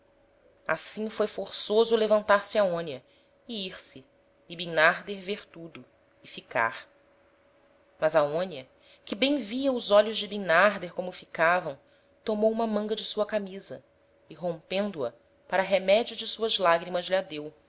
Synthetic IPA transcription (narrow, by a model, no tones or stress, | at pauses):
a̰sĩfojfoɾsozʊlevɐ̃nt̪aɾsɪaõnjɐ | ɪiɾsɪː | binaɾd̪eɾveɾt̪ud̪ʊ | ɪfika̰ɾ | mɐzɐõnjɐ | kɪbẽj̃viɐʊzɔʎʊʒd͡ʒɪbinaɾd̪eɾkõmʊfikavɐ̃w̃ | t̪omowũmɐmɐ̃ŋɡɐd͡ʒɪsuɐkamizɐ̰ | ɪɦõmpẽnd̪ʊɐ̰ | paɾɐɦemɛd͡ʒiʊd͡ʒɪsuɐzlaɡɾimɐzlad̪ew